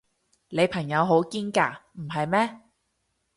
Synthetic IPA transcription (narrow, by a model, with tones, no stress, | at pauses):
le˨˧jpʰɐ˨˩ŋjɐ˨˧wɦo˨˥wkiː˥nkaː˧m̩˨˩ɦɐ˨jmɛː˥